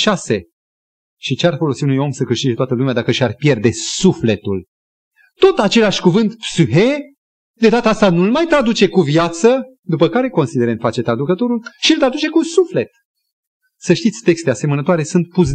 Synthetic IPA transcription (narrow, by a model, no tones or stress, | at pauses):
ʃase̞ | ʃit͡ʃearfo̞lo̞siunujo̞msəkɨʃt̪id͡ʒe̞t̪oat̪əlumead̪akəʃarpje̞rd̪e̞sufle̞t̪ul | t̪o̞t̪at͡ʃe̞laʃʲkuvɨnt̪psuɦe | d̪e̞d̪at̪əast̪anulmajt̪ɾad̪ut͡ʃe̞kuvjat̪sə | d̪upəkaɾe̞ko̞nsid̪e̞ɾent̪fat͡ʃe̞t̪ɾad̪ukət̪o̞ɾulʃiɨlt̪ɾad̪ut͡ʃe̞kusufle̞t̪ | səʃt̪it̪sʲt̪e̞kst̪ease̞mənət̪oaɾe̞sunt̪̚pus